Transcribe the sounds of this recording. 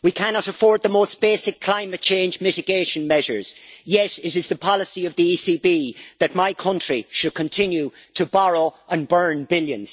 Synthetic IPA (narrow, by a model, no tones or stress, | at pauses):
wikʰanɑɾəfɔɹd̪̚ðəmosb̥eːsɪkʰl̥ãɪ̃mɨt̚t͡ʃʰẽɪ̃nd͡ʒmɪɾɨɡeɪʃə̃nmɛʒə̰˞z̥jɛɾɪɾɪzðəpʰɑləsiʌvðiisibiðət̚maɪkʰʌ̃nt͡ʃɹ̥iʃɨd̚kʰə̃ntʰɪ̃njʉɾʰəbɑɹoʊə̃nbɜ̃˞nbɪljə̰̃nz̥